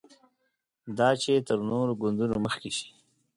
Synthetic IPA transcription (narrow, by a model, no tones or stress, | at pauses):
d̪ɑt͡ʃet̪əɾnoɾoɡʊnd̪unoməxkeʃi̥